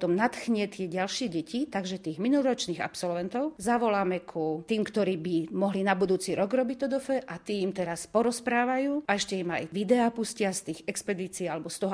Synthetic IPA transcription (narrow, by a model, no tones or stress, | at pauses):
t̪ɔmnat̪xɲɪɛt̪ɪɛɟalʃɪɛɟɛcit̪aɡʒɛt̪iːɣminulɾɔt͡ʃniːɣa̰psɔlʋɛnt̪ɔʊzaʋɔlaːmɛkʰut̪iːmkt̪ɔɾiːbimɔɦlinabud̪uːt͡siɾɔɡɾɔbic̚t̪ɔd̪ɔfɛʔat̪iːimt̪ɛɾaspɔɾɔspɾaːʋajuːaɛʃcɛima̰jʋid̪ɛaːpuscɪast̪iːxɛkspɛd̪iːt͡siːalɛbɔst̪ɔɦɔ